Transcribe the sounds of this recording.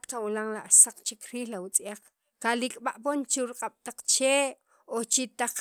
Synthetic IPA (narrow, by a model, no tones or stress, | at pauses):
kawilaŋlaʔsaq͡χt͡ʃikɾiːhlawut͡sʼiaq͡χ | kalikʼɓaʔpont͡ʃiɾiqʼaɓ̥t̪aq͡χt͡ʃeːʔ | ot͡ʃit̪aq͡χ